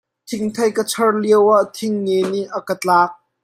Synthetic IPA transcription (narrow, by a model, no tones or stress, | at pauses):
t̪ʰɪŋt̪ʰɐjkət͡sʰɐrliəwaʔt̪ʰɪŋːɛniʔɐkət͡ɬaːk̚